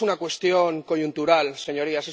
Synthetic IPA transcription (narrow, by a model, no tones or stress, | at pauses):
unakwe̞st̪joŋkoʝunt̪uɾalseɲo̞ɾiase